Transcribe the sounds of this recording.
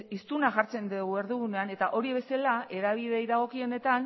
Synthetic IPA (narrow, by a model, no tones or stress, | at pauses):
ist̪unaʝaɾt͡se̞nd̪eɣue̞ɾðuɣune̞ane̞t̪aʔo̞ɾiβ̞e̞salae̞ɾaβ̞iðejðaɣ̞o̞kio̞ne̞t̪an